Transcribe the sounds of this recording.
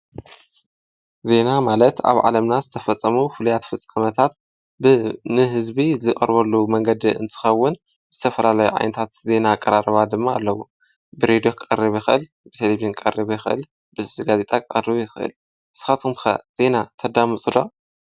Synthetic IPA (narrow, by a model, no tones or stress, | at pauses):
ze̞namalɐt̪a̰βʕa̰lɐmnazɨt̪ʰɐfɐt͡sʼːɐmufɨlujat̪fɨt͡sʼɐmɐt̪ʰat̪ | bɨnɨɦɨzbizɨkʼɐɾβɐlːumɐŋɡɐd̪iɨ̰nt̪ʰɨ̥xɐwːʊn | z̥ɨt̪ʰɐfɐlalɐjuʕa̰jnɐt̪ʰat̪ze̞nakʼːɐɾaɾɐβad̪ɨmːaːlːɐwu | bɨɾed̪ijo̞kʰʼɨʔʼɐɾiβjixɨʔɨl | bɨt̪ʰeleβnkʼɐ̰rɨβjɪxɨʔɨ̰l | bɨsɨsiɡaze̞t̪ʼakʼɨɐ̰rɨβjxɨʔɨ̰l | ʔɨsɨ̥xat̪ʰumkɐ̰z̥e̞nat̪ʰɐd̪amɨt͡sʼɨlːo